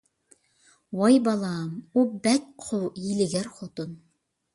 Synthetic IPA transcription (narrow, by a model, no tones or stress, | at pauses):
wɑjbɑlˠɑmubækqʰojilɘ̆ɡæɾχot̪on